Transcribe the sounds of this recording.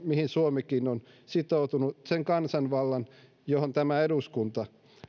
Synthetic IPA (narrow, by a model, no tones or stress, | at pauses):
mihinsuomekinon | sit̪out̪unuseŋkɑnsɑnʋɑlːɑn | johont̪æmæeduskunt̪ɑ